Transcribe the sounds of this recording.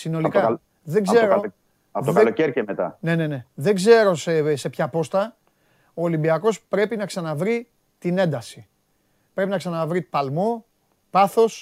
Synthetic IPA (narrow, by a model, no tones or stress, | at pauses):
sino̞likɐ | ðe̞ɡzze̞ɾo | ɐt̪oðkeloeɾcemet̪ɐ̰ne̞ne̞ne̞ðe̞ɡze̞ɾo̞sese̞pçɐpo̞st̪ɐ | oːlimbiɐko̞spɾe̞pinɐksɐnɐvɾi | t̪ine̞nd̪ɐsi̥ | pɾe̞pinɐksɐnɐvɾipɐlmo | pɐθo̞s